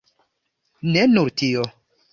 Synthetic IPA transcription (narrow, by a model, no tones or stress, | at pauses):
nenuɾtio